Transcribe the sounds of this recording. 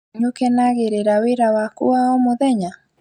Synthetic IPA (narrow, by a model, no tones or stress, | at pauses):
ɲukɛnaɣeɾeɾaweɾawakuaɔmoðɛɲa